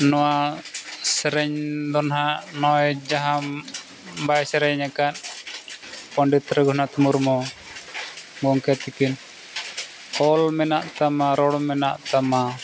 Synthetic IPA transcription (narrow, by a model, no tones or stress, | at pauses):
nɔwa | sɛɾɛɲd̪ɔnɦaʔnɔjd͡ʒaɦam | bajsɛɾɛɲakan̚ | pɔɳɖit̪ɾɛɡɔhnat̪umuɾmɔ | ɡɔŋkɛt̪ikin | kɔlmɛnaʔt̪amaɾɔɽmɛnaʔt̪ama